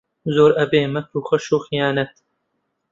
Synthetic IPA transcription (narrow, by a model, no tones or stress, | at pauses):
zoːɾʔɐbeːmɐkʰuːxɐʃuːxijaːnɐt̪